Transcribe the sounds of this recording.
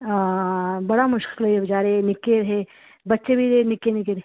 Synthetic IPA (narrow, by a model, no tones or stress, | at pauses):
bɐɽamʊʃkkɪlɐebɐd͡ʒaːɾenɪkːeɾɦe | bɐtːʃebʱiɾenɪkːenɪkeɾɦe